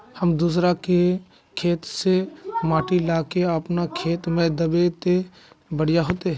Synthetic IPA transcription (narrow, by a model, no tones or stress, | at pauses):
həmd̪uːs̬ɾake | kʰeːt̪semaːʈilaːkeəpnakʰeːt̪mɛ̃d̪əbet̪e | bəɽ̤ɪjaɦoːt̪eɦ